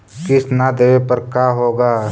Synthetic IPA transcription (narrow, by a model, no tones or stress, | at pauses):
kɪsnad̪eːʋepɐɾkaːɦoːɡaː